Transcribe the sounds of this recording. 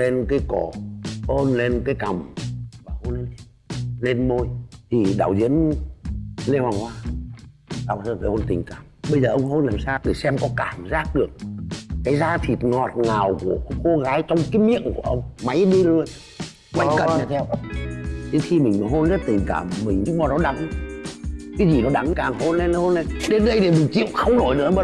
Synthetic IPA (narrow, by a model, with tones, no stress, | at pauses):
le˧nkaː˨˦jko˧˩ho˧nle˧nkaː˨˦jka˨˩mvaː˨˩ho˧nle˧n˧˦ | le˧nmo˧jt̪ʰi˨˩ɗa̰ː˧˩wzḭ˧˥ən | le˧haː˨˩nhwaː˧ | t̪a̰ː˧˨wt̪ʰəː˧˩faː˨˩ho˧nt̪ï˨˩ŋ̟kaː˧˩mɓə˧jzəː˨˩ʔə˧wŋ͡mɦo˧nlaː˨˩msaː˧kɨ˨˧˩sɛ˧mkɔ˨˦kaː˧˩mzaː˦˥t̚ɗɨ˨˩ək̚kaː˨˦jzaː˧t̪ʰi˨˩t̚ŋɔ˨˩t̚naː˨˩wku˧˩əko˧ɣaː˨˦jt͡ɕɔ˧wŋ͡mkaː˨˦jmḭ˧˨ənku˧˩əʔə˧wŋ͡mma˨˦jɗi˧lu˧əj | ɓa̰˨˦ŋkə˨˩ɲa˧˩t̪ʰɛ˧w | ɗe˨˦nxi˧mï˨˩ŋ̟mː˨˩ɦo˧nzə˦˥t̚t̪ï˨˩ŋ̟ka̰ː˧˩mːï˨˩ŋ̟˨˧˦ɓɔ˨˧˩nɔ˨˦ɗa˨˦ŋ | kaː˨˦jzi˨˩nɔ˨˦ɗa˨˦ŋkaː˨˩ŋho˧nle˨˧n˧˦ho˧nə˨˧jɗe˨˦nɗə˧jɗe˨˩mï˨˩ŋ̟t͡ɕḭ˧˨wxə˧wŋ͡mno˧˩jnɨ̰˧˥ə˦maː˨˧˩